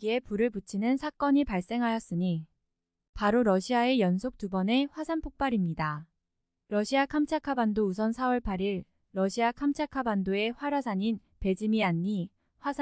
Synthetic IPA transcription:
ie̞puɾɯɭput͡ɕʰinɯnsʰak͈ʌɲipaɭs͈e̞ŋɦajʌs͈ɯɲi | paɾoɾʌɕʰiae̞jʌnsʰok̚tubʌne̞ɸwasʰanpʰok̚p͈aɾimɲida | ɾʌɕʰiakʰamt͡ɕʰakʰabandous̬ʰʌnsʰawʌɭpʰaɾiɭː | ʌɕʰiakʰamt͡ɕʰakʰabandoe̞ɸwaɾasʰaɲin | pe̞d͡ʑimianːi | ɸwasʰa

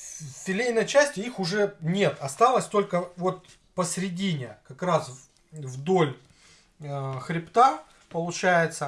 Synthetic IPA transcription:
tʲɪlʲejnəjt͡ɕæsʲtʲɪixʊʐɛnʲe̞t̪ɐst̪alˠəsʲt̪o̞lʲkəvo̞t̪̚ | pəsɾʲɪdʲinʲɪkɐkɾas | vd̪o̞lʲ | xɾʲɪpt̪a | pəlˠʊt͡ɕæjɪt̪sə

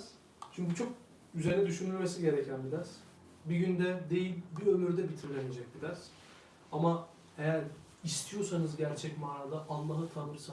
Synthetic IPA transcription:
z̥ | t͡ʃʰyɲcʲyt͡ʃʰo̞k̚ | yzeɾinɛd̪yʃynylʲmesiɟe̞ɾɛcʰænbid̪ʲæɾz̥ | biɟynd̪ɛd̪e̞jilʲbiø̞myɾd̪ɛbit̪ʰiɾlʲened͡ʒɛc̚bid̪ʲæɾz̥ | ama | ejæɾ | ist̪ʰijo̞sanɯzɟæɾt͡ʃʰɛcmaːɾad̪ˠaʔanlˠaɦɯt̪ʰanɯɾsa

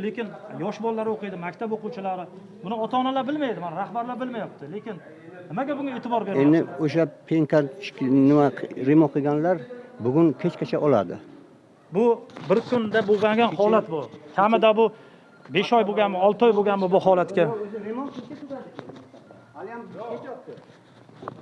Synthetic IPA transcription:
lekʲɪnjɒʃbɒlːaɾɪoqɨjd̪ɪmakʲt̪ʰaboquwt͡ʃʰɪlaɾɪ | bʊnɪɒt̪ʰaːnalaɾbɪlmajd̪ɪmanɾahbaɾlaɾbɪlmajap̚t̪ʰɪle̞kʲɪn | nɪmaɡʲabʊŋɡʲae̞ːt̪ʰɪbɒɾbeɾend̪ɪoʃapʰeŋkʲʰanɪmaɾemɒqʰɨɡʲanlaɾbʊɡʊŋkʲʰet͡ʃkʲʰat͡ʃʰaʔɒla̰d̪ɪ̰ | bʊbɪɾkʰʊnd̪aboɡʲaŋɡʲanhɒlat̪bʊkʲʰamɪd̪abʊ | be̞ʃɒjboɡʲanmɪɒlˠt̪ʰɒjboɡʲanmɪbʊhɒlat̪kʲa

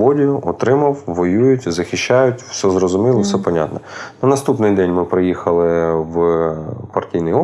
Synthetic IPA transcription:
bɔdʲijʊʔɔt̪ɾɪmɐwʋɔjujʊtʲzɐxʲɪʃːajʊtʲw̥sɛzrɔzʊmilˠɔwsɛpɐnʲa̰t̪nɔnɐnɐst̪upnɪjd̪ɛnʲmɪpɾɪjixɐlˠɪw | pɐrtʲijnɪjɔ

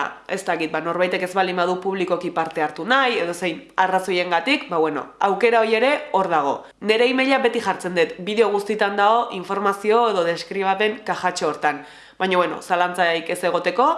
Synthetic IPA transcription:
e̞st̪akit̪̚bano̞ɾβajt̪e̞ke̞zβald̪imbað̞upuβliko̞kipaɾt̪e̞aɾt̪unaje̞ð̞o̞sejnaraso̞je̞ŋɡat̪ikbaβweno̞̰awke̞ɾao̞ɾje̞ɾe̞o̞ɾðaɣ̞o̞ | ne̞ɾe̞imeʎaβe̞t̪ixaɾt͡se̞nd̪et̪biðe̞o̞ɣ̞ust̪it̪and̪ao̞ʔiɱfo̞ɾmasio̞e̞ðo̞ðe̞skɾiβ̞ape̞ŋkaxat͡ʃooɾt̪an | bajɲoβweno̞̰salant͡sajkese̞ɣ̞o̞t̪e̞ko̞

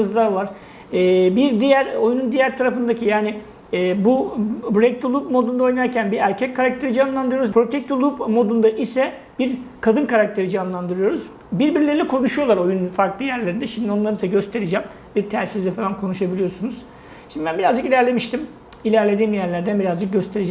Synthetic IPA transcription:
ɯzd̪ˠavaɾ̥ | ɛːbiɾd̪ijæɾo̞junund̪ijæɾt̪ʰaɾafɯnd̪acʰijaːni | ɛːbubɾek̚t̪ulˠuːpmo̞d̪und̪ao̞jnaɾcʰænbiɾæɾcʰɛckʰːaɾak̚t̪ʰe̞ɾid͡ʒanlˠand̪ɯɾjoɾuzpʰɾo̞t̪ʰɛc̚t̪ulˠupmo̞d̪und̪aʔisɛ | b̥iɾkʰad̪ɯnkʰaɾak̚t̪ʰe̞ɾid͡ʒanlˠand̪ɯɾɯjo̞ɾuz | biɾbiɾilʲe̞ɾilʲɛkʰo̞nuʃujo̞lˠaɾo̞junfaɾklˠɯjæɾlʲeɾind̪ɛʃimd̪io̞nlˠaɾɯnisɛɟø̞st̪ʰe̞ɾid͡ʒɛm | biɾt̪ʰæɾsizd̪ɛfalˠankʰo̞nuʃabilʲijo̞sunuz̥ | ʃimd̪ibænbiɾazd͡ʒɯkilʲæɾlʲe̞miʃt̪ʰim | ilʲæɾlʲe̞d̪iːmjæɾlʲæɾd̪ænbiɾazd͡ʒɯk̚ɟø̞st̪ʰeɾid͡ʒ

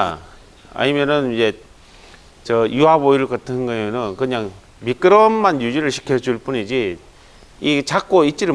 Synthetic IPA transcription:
a̰ɲimjʌnɯnid͡ʑe̞ | t͡ɕʌjuɦaboiɯɭkɯtʰɯnnɡʌiɯnɯnkɯɲaŋ | mik͈ɯɾʌmːanjud͡ʑiɾɯɭɕʰi̥kʰjʌd͡ʑuɭp͈unid͡ʑi | it͡ɕak͈oit͡ɕ͈iɾɯ

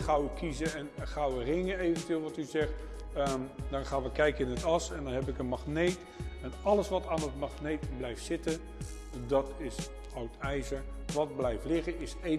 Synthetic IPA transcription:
χʌwəkizəɛnχɑwərɪŋəejvəntʋɪːlˠʋɑtyzɛχt | dɑnχaːnʋəkɛjkəɪnətɑsɛndɑnɦɛpɪkənmɑχnejt | ɛnɑləsʋɑtaːnət̚mɑχnejtblɛjftsɪtə | dɑtɪs | ɔwtɛjzəɹʋɑd̚blɛjftlɪχəɪse

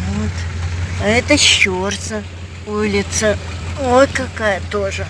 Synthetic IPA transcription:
vot̪ | ɛt̪əɕːort̪sə | ulʲɪt̪səojkɐkajət̪oʐɨ

